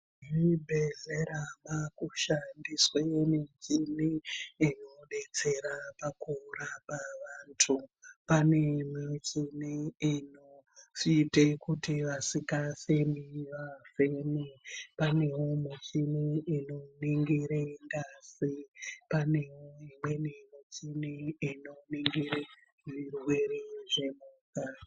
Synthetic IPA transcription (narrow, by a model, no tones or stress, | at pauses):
ɦibʱeɮeɾamakuʃandiswemiɲt͡ʃiniinoɗe̞t͡se̞ɾapakurapaʋantʰupanemit͡ʃiniːnofitekutiʋasikasemiʋafemepane̞womut͡ʃiniːnoniŋɡiɾeŋɡasipane̞woimwe̞nimit͡siniːnoniŋɡiɾe | ʐirwe̞ɾeʐe̞muːka